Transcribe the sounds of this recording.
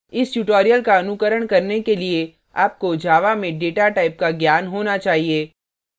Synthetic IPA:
ɪsʈuːʈoːɾijəlkaɐnʊkəɾəɽ̃kɐɾnekelie | aːp̚kod͡ʒʱaːʋamẽɖeːʈaʈaːɪp̚kaɡjaːnɦoːnat͡ʃaːɦieː

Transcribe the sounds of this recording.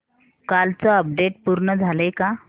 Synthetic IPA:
kalt͡səəp̚ɖeʈ̚puɾɳəd͡zʱaleka

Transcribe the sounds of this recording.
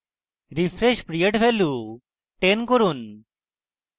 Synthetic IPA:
ɾifʰɾeʃpɾijeʈfʰelu | ʈenkoɾun

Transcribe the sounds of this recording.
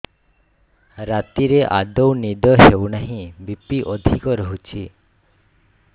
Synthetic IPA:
ɾat̪iɾeʔa̰d̪ɔwnid̪ɔɦewnaɦĩbipiʔɔd̪ʱikɔɾɔɦut͡ʃʰi

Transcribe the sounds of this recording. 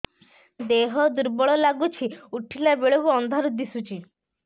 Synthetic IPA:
d̪eɦɔd̪uɾbɔɭɔlaɡut͡ʃʰiuʈʰilabeɭokuɔnd̪ʱaɾud̪isut͡ʃʰi

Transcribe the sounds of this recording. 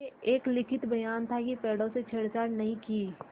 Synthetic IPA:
eeːklɪkʰɪt̪bɐjaːnt̪ʰakipɛːɽõset͡ʃʰɐɽt͡ʃaːɽnɐɦĩkiː

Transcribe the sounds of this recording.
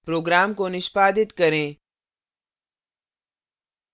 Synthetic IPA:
pɾoːɡɾaːmkonɪʃpaːd̪ɪt̪kɐɾẽː

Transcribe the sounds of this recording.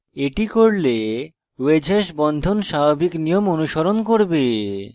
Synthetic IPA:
eʈikoɾle | wed͡ʑʱaʃbɔnd̪ʱonʃabobiknijomonuʃoɾonkoɾbe

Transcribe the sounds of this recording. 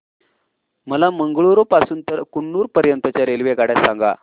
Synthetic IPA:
məlaməŋɡɭuɾopasuːnt̪əɾkuɳːuːɾpəɾjənt̪ət͡ɕjaɾelʋekaɽjasaŋɡa̰

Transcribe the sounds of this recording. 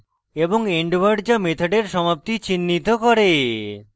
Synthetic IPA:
eboŋeɳɖwaɾɖd͡ʑamet̪ʰoɖeɾʃɔmap̚t̪it͡ɕinːit̪okoɾe

